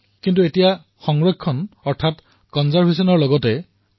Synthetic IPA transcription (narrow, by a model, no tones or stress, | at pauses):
kintuetija | xɔŋɹɔkʰːɔnɔɹtʰat | kɔnzaɹbʱesɔnɔɹlɔɡɔtɛ